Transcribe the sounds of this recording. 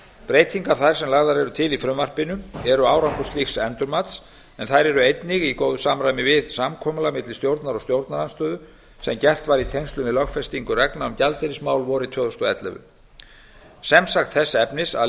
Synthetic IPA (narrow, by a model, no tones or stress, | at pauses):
pɾeːjt̪ʰiŋkaɾ̥θajɾ̥sɛmlaːɣðaɾɛɾʏt̪ʰɪlifɾʏmːar̥pɪnʏɛɾʏaːwɾaŋkɔst̪lixsɛnt̪ʏɾmat̪s | ɛnθajɾɛɾʏejt̪nɪɣikoːwðʏsaːmɾajmɪvɪðsamkʰɔmalamɪt̪lɪst̪jowɾt̪naɾɔst̪jowɾt̪naɾanst̪œːðʏ | sɛmcɛft̪vaɾit̪ʰejnst̪lʏmɪðlœxfɛst̪iŋkʏrɛknaʏmcalt̪ɛɾɪsmaːwlvɔːɾɪt̪ʰœːðɔst̪ɔɛ̰t̪lɛ̰vʏ̰ | sɛmsaxt̪θɛsːaɛpnɪsa̰